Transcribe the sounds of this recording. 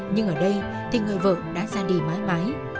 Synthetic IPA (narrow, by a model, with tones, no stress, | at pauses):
ɲɨ˧ŋʔəː˧˩ɗə˧j | t̪ʰi˨˩ŋəː˨˩jvə̰ː˧˨ɗa̰ː˧˥zaː˧ɗi˨˩maː˨˦jmaː˨˦j